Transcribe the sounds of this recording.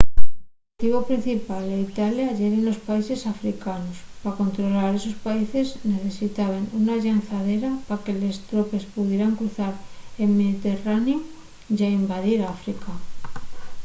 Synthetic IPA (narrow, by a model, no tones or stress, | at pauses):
t̪iβo̞pɾin̟θipaleit̪aljaʝeɾenlo̞spaise̞safɾikanospako̞nt̪ɾo̞laɾe̞so̞spaise̞zne̞θe̞sit̪aβenunaʎanθaðe̞ɾapake̞le̞st̪ɾo̞pe̞spuðjeɾaŋkɾuθaɾelmeðit̪e̞raneu | ʝaimbaðiɾafɾika